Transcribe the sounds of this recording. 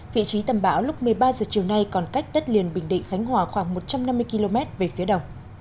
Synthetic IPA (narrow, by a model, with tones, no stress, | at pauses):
vḭ˧˨t͡ɕi˨˦t̪ə˨˩mɓa̰ː˧˥˩wlʊ˦˥k͡p̚mɨ˨˩əjɓaː˧zəː˨˩t͡ɕi˨˩əwna˧jkɔ˨˩nka˦˥jk̟̚ɗə˦˥t̚li˨˩ənɓï˨˩ŋ̟ɗḭ˧˨ŋ̟xa˨˦jŋ̟ɦwaː˧˩xwaː˧˩ŋmo˨˩t̚t͡ɕa˧mna˧mːɨ˧əjki˧lo˧mɛ˦˥t̚ve˨˩fi˨˦əɗə˨˩wŋ͡m